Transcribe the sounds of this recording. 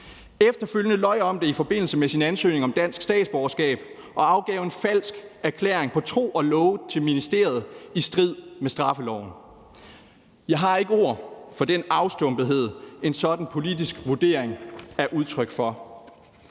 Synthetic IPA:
efd̥ɐføljənəlɒ̽ɪɒ̽md̥e̝ifɒ̽b̥e̝n̰l̩səmesinænsø̰ːne̝ŋɒ̽md̥æn̰sɡ̥sd̥ɛ̰ːd̥sb̥ɒɐsɡ̥ɛ̰ːb̥ | ʔɒ̽ɑ̈ʊɡ̥ɛːʊe̝nfæl̰sɡ̥æɐkʰlḛɐeŋpʰɒ̽t͡sʰʁo̝̰ːɒ̽lɔʊt͡sʰe̝lminisd̥e̝ɐð̞̩ˠisd̥ʁið̰ˠmesd̥ʁɑ̈fəlɒ̰ʊ̰n̩ | jɑ̈ɪɦɑ̈e̝ɡ̥əo̝ɐ̰fɒ̽d̥enɑ̈ʊsd̥ɔ̽mb̥ð̩ˠɦe̝ð̰ˠe̝nsɒ̽d̥n̩pʰo̝lid̥isɡ̥ʋuɐd̥e̝̰ːɐ̰eŋæɐʔuð̞ˠt͡sʰʁœɡ̥fɒ̽

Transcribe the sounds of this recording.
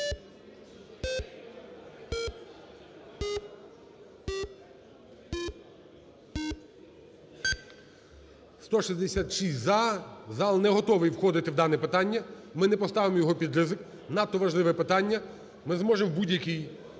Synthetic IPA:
st̪ɔʃizʲd̪esʲat̪ʃisʲtʲzɑzɑlˠnɛɦɔt̪ɔʋɪjwxɔd̪ɪt̪ɪwd̪ɑnɛpɪt̪ɑnʲːɐmɪnɛpɔst̪ɑʋɪmɔjɔɦɔpʲid̪ɾɪzɪk | nɑt̪ːɔʋɐʒlˠɪʋɛpɪt̪ɑnʲːɐ | mɪzmɔʒɪmwbudʲjɐkij

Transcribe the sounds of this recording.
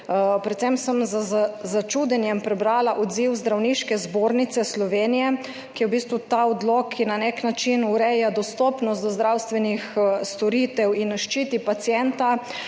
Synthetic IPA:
pɾɛt̪sɛmsəmzazzat͡ʃuːd̪ɛnjɛmpɾɛbɾaːlaʔɔd̪ziwzd̪ɾawniʃkɛzboːɾnit̪sɛslɔʋeːnijɛ | kiwbist̪ʋut̪aɔd̪lɔkʰːinaneknat͡ʃinuɾɛjad̪ɔst̪ɔːpnɔst̪d̪ɔzd̪ɾawst̪ʋɛnixst̪ɔɾit̪ɛwinːaʃt͡ʃit̪ipat̪sjɛnt̪a

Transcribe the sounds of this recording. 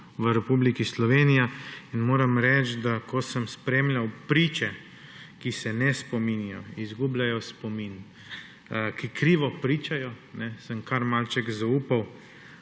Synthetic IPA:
ʋəɾɛpublikislɔʋeːnijainmoːɾamɾɛt͡ʃd̪akɔsəmspɾeːmlʲawpɾiːt͡ʃɛ | kisɛnɛspɔminijɔizɡublʲajɔspɔmin | kikɾiːʋɔpɾiːt͡ʃajɔ | nɛsəmkaɾmalt͡ʃɛɡzauːpaw

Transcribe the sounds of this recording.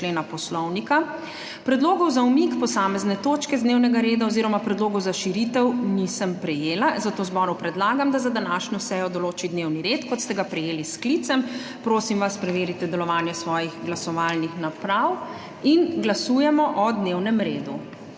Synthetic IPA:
leːnapɔslɔwnika | pɾɛd̪loːɡɔwzaumikpɔsaːmɛznɛt̪oːt͡ʃkɛzd̪neːwnɛɡaɾeːd̪aɔziɾɔmapɾɛd̪loːɡɔwzaʃiɾit̪ɛwnisəmpɾɛjeːlazat̪ozbɔːɾupɾɛd̪laːɡamd̪azad̪anaʃɲɔsɛjɔd̪ɔloːt͡ʃid̪newniɾet̪kɔt̪st̪ɛɡapɾɛjeːlisklit̪sɛmpɾoːsimʋaspɾɛʋeːɾit̪ɛd̪ɛlɔʋanjɛsʋɔːjiɣɡlasɔʋalnixnapɾaw | inɡlasuːjɛmɔʔɔd̪newnɛmɾeːd̪u

